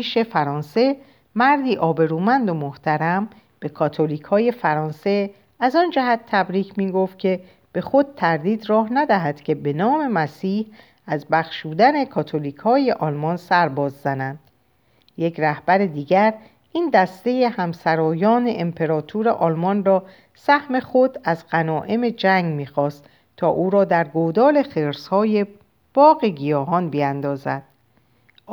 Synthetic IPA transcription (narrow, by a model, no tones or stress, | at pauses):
ʃe̞fæɾɒːnse̞ | mæɾd̪iːʔɒːbe̞ɾuːmænd̪omoht̪ʰæɾæm | b̥e̞kʰɒːt̪ʰo̞liːkʰhɒːje̞fæɾɒːnse̞ | æzɒnd͡ʒæɦæt̪ʰːæbɾiːcʰmiːɡoft̪̚cʰe̞ | b̥e̞xo̞d̪̥̚t̪ʰæɾd̪iːd̪rɒːɦnæd̪æɦæd̪̥cʰe̞be̞nɒːme̞mæsiːh | æzbæxʃuːd̪æne̞kʰɒːt̪ʰoliːkʰhɒːje̞ʔɒːlmɒnsæɾbɒːzːænænd̪̥ | je̞kʰræhb̥æɾed̪iːɡæɾ | ʔind̪æst̪e̞jehæmsæɾɒːjɒːne̞ʔempʰe̞ɾɒːt̪ʰuɾeʔɒːlmɒnrɒː | sæhme̞χod̪æzɢænɒːʔe̞me̞d͡ʒæŋɡmiːxɒːst̪ | t̪ʰːɒːʔuːɾɒːd̪æɾɡod̪ɒːle̞xeɾshɒːje | b̥ɒːɣeɡijɒːɦɒnbiænd̪ɒːzæd̪̥̚